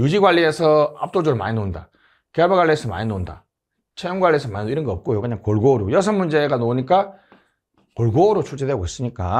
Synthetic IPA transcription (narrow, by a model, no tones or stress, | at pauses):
jud͡ʑiɡwaɭːiesʰʌa̰p̚t͈od͡ʑoɾɯɭma̰ɲinonda̰ | keabeɡwaɭːiesʰʌma̰ɲinonda̰ | t͡ɕʰejoŋɡwaɭːiesʰʌmaɲinoiɾʌnɡʌʌp̚k͈ojokɯɲaŋkoɭɡoɾojʌs̬ʰʌnmund͡ʑe̞ɡanoɲik͈a | koɭɡoɾot͡ɕʰud͡ʑedweɡois͈ɯɲik͈a̰